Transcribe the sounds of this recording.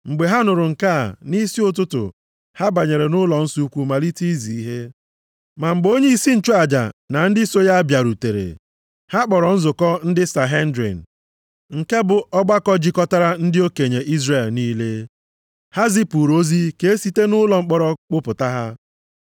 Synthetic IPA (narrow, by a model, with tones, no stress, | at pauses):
ŋ͡m̩˨ɡ͡be˨ɦa˦nʊ˨ɾʊ˨ŋ̩˨ka˦˨ni˦si˦ʊ˦t̬ʊ˦tʊ̰˨ | ha˦ba˨ɲe˨ɾe˨nʊ˦lɔ˨n̩˦su˦u˦kʷu˦ma˨li˦ti˦zi˨i˦ɦe˦ | ma˨ŋ͡m̩˨ɡ͡bo˦ɲe˦i˦si˦n̩˨t͡ʃu˦a˨d͡ʒa̰˨na˨n̩˦dɪ˦so˦ja˦bja˨ɾu˨te˨ɾḛ˨ | ha˦k͡pɔ˨ɾɔ˨n̩˦zʊ˨kɔ˦n̩˦dɪ˦sa˨ɦe˦n̩˦dɾḭ˨n̩˨ | ŋ̩˨ke˦bʊ˨ɔ˦ɡ͡ba˦kɔ˦d͡ʒi˦kɔ˦ta˦ɾa˦n̩˦dɪ˦o˦ke˨ɲe˨ʔi˦zre˨lniː˦le˦ | ha˦zi˦pu˨ɾo˦zi˦ke˨e˦si˦te˦nʊ˦lɔ˨ŋ͡m̩˦k͡pɔ˦ɾɔ˦k͡pʊ˦pʊ˨ta˦ɦa˦